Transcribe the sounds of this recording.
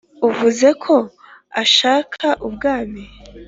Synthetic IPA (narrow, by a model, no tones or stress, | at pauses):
uvuze̞kʰo̞ | aʃaːkʰaʔubɡaːmi